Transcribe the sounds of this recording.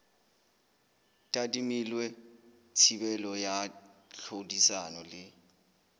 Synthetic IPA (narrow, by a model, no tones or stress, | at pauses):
tʼatʼimilwɛt͡sʰibɛlɔjaɬʰodisanɔlɪ